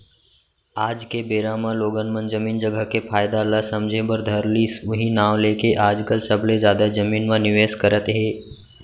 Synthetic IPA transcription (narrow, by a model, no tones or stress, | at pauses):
aːd͡ʒkebeːɾamãloːɡənmənd͡ʒəmiːnd͡ʒəɡəkepʰaːjd̪alasɐmd͡ʒʱebəɾd̪ʱəɾliːsʊɦinaːʋleːkeʔaːd͡ʒkəlsəbʱlezjaːd̪ad͡ʒəmiːnmãnɪʋeːskəɾət̪ɦeː